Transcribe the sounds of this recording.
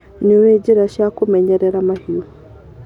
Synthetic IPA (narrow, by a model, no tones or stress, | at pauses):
niwed͡ʑiɾaʃjakumɛɲɛɾɛɾamahio